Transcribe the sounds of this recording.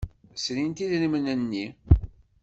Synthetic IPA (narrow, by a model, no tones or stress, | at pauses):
sɾint̪iðlmənənːi